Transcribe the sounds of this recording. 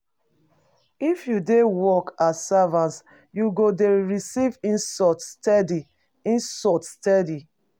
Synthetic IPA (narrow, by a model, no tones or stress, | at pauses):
ifjudewɔkassavãns | juɡodeɹisivĩnsɔtstɛdi | ĩnsɔtstɛdi